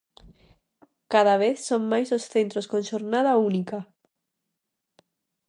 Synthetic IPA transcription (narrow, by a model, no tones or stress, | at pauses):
kaðaβ̞eθsoŋmajzosθent̪ɾoskõnʃoɾnað̞aunika